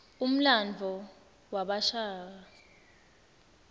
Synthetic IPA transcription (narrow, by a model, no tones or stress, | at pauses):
um̩land͡ɮʱɔ | waɓaʃaːa